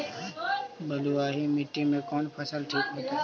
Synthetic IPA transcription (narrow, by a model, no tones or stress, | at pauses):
bəluːaːɦimɪʈːimẽkɔːnpʰəsəlʈʰiːkɦoːt̪aː